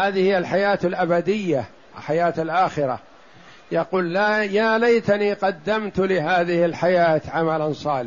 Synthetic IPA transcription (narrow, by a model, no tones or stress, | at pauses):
haːðɪhɪjːalħajaːt̪alʔabad̪ɪjːa | alħajaːt̪alʔaːxɪɾa̰ | jaquːlːajaːlajt̪aniːqɑd̪ːamt̪lɪɦaːðɪhɪlħajaːt̪ʕamalansˤɑːlɪħ